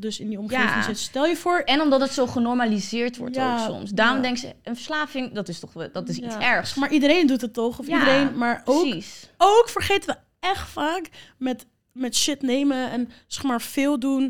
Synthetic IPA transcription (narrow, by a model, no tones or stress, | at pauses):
dɵsɪndiɔmχevɪŋsɪtstɛlˠjəvoːɹɛnɔmdɑtdətsowχənɔɹmalizɪːɹtʋɔ̰ɹjsɔ̰msdaːrɔmdɛŋksə̰ənfəɹslaːfɪŋdɑtɪstɔχdɔtɪsisɛɹχsmaːɹʔidəɾejndutətɔχɔfdəɾejnmaːɹowisowkfəɹχejtənʋə | ɛχtfaːkmɛt | mɛtʃɪtnejməɛnsɛχmaːɹfɪːlˠdun